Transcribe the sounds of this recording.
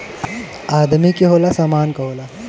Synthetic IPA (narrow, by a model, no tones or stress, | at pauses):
aːd̪mikeɦoːlasaːmaːnkɐɦoːla